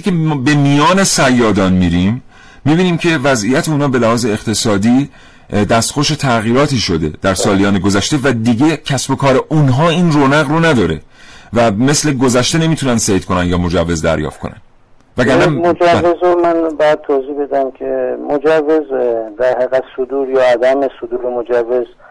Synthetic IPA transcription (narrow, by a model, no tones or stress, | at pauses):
kʰebe̞mijɒːnesæjːɒːd̪ɒːnmiɾimː | iːbiːniːmcʰe̞væzijæt̪ʰeuːnɒːbe̞læhɒːzeːqt̪ʰe̞sɒːd̪iː | d̪æst̪xoʃet̪ʰæɣiːɾɒːt̪ʰiːʃod̪e̞̰d̪̥æɾsɒːlijɒːneɡo̞zæʃt̪e̞væd̪iɟe̞cʰæsbo̞kʰɒːɾeʔunɦɒːiːnroːnæɣronæd̪ɒːɾḛ | væme̞sle̞ɡo̞zæʃt̪ene̞miːt̪ʰunænd̪sejt̪̚ko̞nænjɒːmo̞d͡ʒævːe̞zd̪æ̰ɾjɒ̰ːft̪̚ko̞nʔæ̰n | væɡæɾnæmod͡ʒævːezomænbæːd̪̚t̪ʰozibe̞d̪æmkʲʰemod͡ʒævːezd̪æɾhæɣæd̪sod̪uːɾjɒːæd̪æmesod̪uːɾemod͡ʒævːez